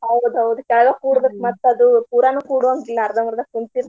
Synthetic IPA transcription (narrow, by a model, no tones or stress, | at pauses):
ɦɐʋud̪uɦɐʋud̪ukɛlɐɡɐkuːɽd̪ekːmɐt̪ːɐd̪upuːɾanuːkuːɽʋoŋɡilːɐːɾd̪ɐmɐɾd̪ɐkunt̪iɾ